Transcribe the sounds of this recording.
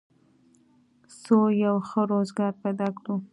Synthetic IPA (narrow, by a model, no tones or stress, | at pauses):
sojawxəɾozɡɑɾpajd̪ɑkɽu